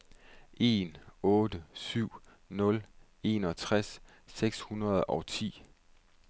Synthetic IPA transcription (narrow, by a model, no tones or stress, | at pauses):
ʔe̝̰ːnɔ̽ːd̥əsyʊ̰ | nɔ̽l | e̝̰nɒ̽t͡sʰʁasː | eɡ̥shunɐð̩ˠɒʊt͡sʰḭː